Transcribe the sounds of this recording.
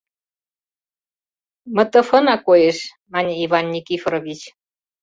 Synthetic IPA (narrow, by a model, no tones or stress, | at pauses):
mə̆t̪əfənakojeʃ | manʲeivanːikifɾovit͡ʃ